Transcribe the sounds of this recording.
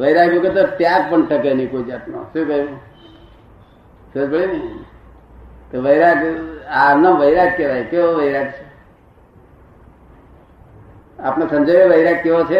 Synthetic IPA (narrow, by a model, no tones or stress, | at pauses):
ʋəiɾaɦbũket̪ot̪jaɡ̚pəɳʈəkenikoid͡ʒapno̰ʃũkəɦibũ | sod͡ʒbəɭini | t̪oʋəiɾakanãʋəiɾak̚keʋajkeoʋəiɾaɡt͡ʃʰe | apnasəmd͡ʒəeʋəiɾakkeʋot͡ʃʰe